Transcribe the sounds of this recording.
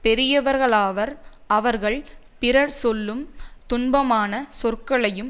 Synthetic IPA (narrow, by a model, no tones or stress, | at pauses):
pɛɾɪjɐʋɐɾɣɐɭaːʋɐɾ | ɐʋɐɾɣɐɭ | pɪɾɐɾsɔlːɯmt̪ʊnbɐmaːnɐsɔrkɐɭɐjɯm